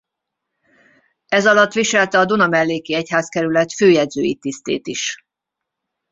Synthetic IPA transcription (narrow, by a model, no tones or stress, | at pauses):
ɛzɒlɒt̪ːʋiʃɛlt̪ɛɒd̪unɒmɛlːeːkiɛchaːskɛɾylɛt̪føːjɛd̪zøːjit̪ist̪ḛːt̪iʃ